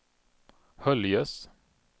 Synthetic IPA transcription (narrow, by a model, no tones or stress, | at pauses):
hœljəs